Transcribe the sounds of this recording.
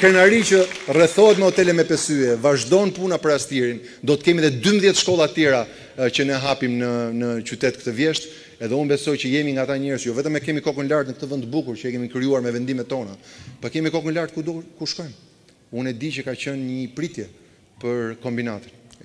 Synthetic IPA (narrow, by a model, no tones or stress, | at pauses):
kɛnaɾit͡ʃərɛθɔɦɛt̪mɛhɔt̪ɛlɛmɛpɛsyɛvaʒd̪ɔnpunapəɾast̪iɾin | d̪ɔt̪ə̥kɛmiðɛd̪yməðjɛt̪ʃkɔlˠat̪ət̪jɛɾa | t͡ɕənɛɦapimnənət͡ɕyt̪ɛt̪kət̪əvjɛʃt̪ | ɛðɛunbɛsɔjt͡ɕəjɛmiŋɡat̪aɲɛɾəsjɔvɛt̪əmɛkɛmikɔkənlaɾt̪nək̚t̪əvənt̪bukuɾt͡ʃəɛkɛmikɾijuaɾmɛvɛnd̪imɛt̪ːɔnapakɛmikɔkənlaɾt̪̚kud̪kuʃkɔjm | unɛd̪it͡ʃəkat͡ɕənɲəpɾit̪jɛ | pəɾkɔmbinat̪ən